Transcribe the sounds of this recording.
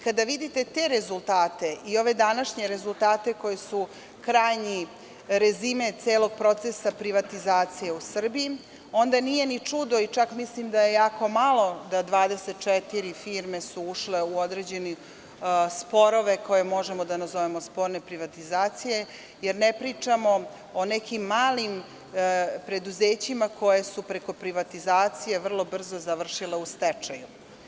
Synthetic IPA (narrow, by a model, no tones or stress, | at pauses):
ikad̪aʋid̪it̪e̞t̪e̞ɾezulˠt̪aːt̪e̞ʔio̞ʋe̞d̪anaʃɲe̞ɾezulˠt̪aːt̪e̞ko̞jesu | kɾaːjɲi | ɾezime̞t̪seːlo̞ɡ̚pɾo̞t̪sesapɾiʋat̪izaːt̪sijeusr̩bii | o̞nd̪anije̞nit͡ʂud̪oit͡ʃakmislimd̪ajejaːko̞malˠo̞d̪ad̪ʋaːd̪eset̪̚t͡ʃet̪iɾifiːɾme̞suuʃle̞uod̪ɾed͡ʑe̞ni | spo̞ɾo̞ʋe̞ko̞je̞mo̞ʒemod̪anazoʋe̞mo̞spo̞ːɾne̞pɾiʋat̪izaːt̪sije̞ | jeɾnepɾiːt͡ʂamo̞ | onekimːaːlim | pɾe̞d̪uzeːt͡ɕimako̞jesupɾe̞ko̞pɾiʋat̪izaːt̪sije̞ʋr̩lˠo̞br̩zo̞zaʋr̩ʃile̞ust̪et͡ʂaju